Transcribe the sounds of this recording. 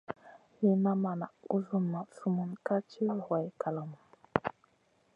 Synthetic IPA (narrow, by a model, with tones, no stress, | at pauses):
li˨na˦ma˨na̰˨ʔṵ˦zu˦ma˨su˦mu˨nka˦t͡ʃi˦zwa˨jka˨la˨mu˨